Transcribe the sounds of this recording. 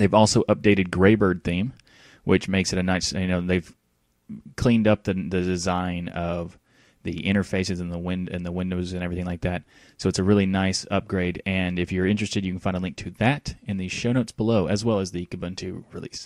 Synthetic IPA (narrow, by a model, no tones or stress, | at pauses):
ðeɪvɔlˠsoʊʔʌp̚d̥eɪɾɨd̚ɡɹeɪbɜ˞d̪̚θĩm | wʔɪt͡ʃmeɪksɨɾɨnaɪsjɨnoʊðeɪv̥ | kʰl̥ĩndʌp̚ðɨðɨdɨzãɪ̃nʌv | ðiʔɪ̃ɾ̃ə˞feɪsɨzɨ̃n̩ðəwɪ̃ndɨ̰̃nðəwɪ̃ndoʊzɨ̃nɛvɹiθɪ̃ŋlaɪk̚ðæt̚ | soʊɨtsɨɹɪlˠinaɪsʌp̚ɡ̥ɹeɪɾɨ̃nɨfjə˞ɪ̃nt͡ʃɹ̥ɨstɨdjɨkɨn̩fãɪ̃ndəlɪ̃ŋk̚tʰɨðæɾɨ̃nðiz̥ʃoʊnoʊtsb̥əloʊʔɨzwɛlˠəzðɨkɨbʌ̃ntʰʉ̰ɹḭlḭs